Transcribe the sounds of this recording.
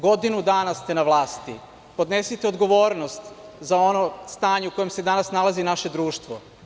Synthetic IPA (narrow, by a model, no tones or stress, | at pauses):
ɡo̞d̪inud̪aːnast̪enaʋlˠaːst̪i | po̞d̪nesit̪eod̪ɡo̞ʋo̞ːɾnost̪zao̞nost̪aːɲeuko̞jemse̞d̪anasnalazinaʃe̞d̪ɾuːʃt̪ʋo